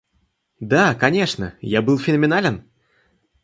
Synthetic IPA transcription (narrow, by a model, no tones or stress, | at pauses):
d̪akɐnʲe̞ʂnə̰jabɨlˠfʲɪnəmʲɪnalʲɪn